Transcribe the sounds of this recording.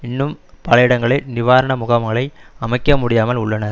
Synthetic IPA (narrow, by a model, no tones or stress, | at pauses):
ɪnːɯmpɐlɐjɪɽɐŋɡɐɭɐɪnɪʋaːɾɐɳɐmʊɣɐʋɡɐɭɐɪɐmɐɪkːɐmʊɽɪjaːmɐlʊɭːɐnɐɾ